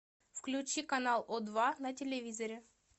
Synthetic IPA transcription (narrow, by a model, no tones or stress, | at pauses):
fklʲut͡ʃikɐnalˠɔd̪vanɐtʲelʲɛvʲizɔɾʲɛ